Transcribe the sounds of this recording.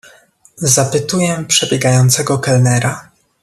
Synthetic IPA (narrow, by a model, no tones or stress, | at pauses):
zapɘt̪ujɛpʂɛbʲjɛɡajɔnt̪sɛɡɔkɛlnɛɾa